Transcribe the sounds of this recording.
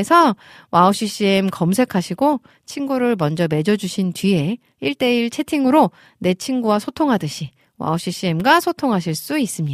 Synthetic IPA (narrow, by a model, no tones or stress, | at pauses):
esʰʌ | waoɕ͈ʰiɕ͈iemkʌms̬ʰe̞kʰaɕʰiɡo | t͡ɕʰinɡuɾɯɭmʌnd͡ʑʌme̞d͡ʑʌd͡ʑuɕʰintɥie̞ | iɭt͈e̞iɭt͡ɕʰe̞tʰiŋɯɾo | ne̞t͡ɕʰinɡuwasʰotʰoŋɦadɯɕʰi | wa̰oɕ͈ʰiɕ͈iemɡasʰotʰoŋɦaɕʰiɭs͈uis͈ɯmɲia